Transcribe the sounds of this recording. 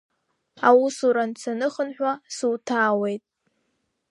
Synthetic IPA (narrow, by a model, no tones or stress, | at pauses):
awusuɾant͡sʰanɨχənħᶣʷasuwtʰaːwejtʼ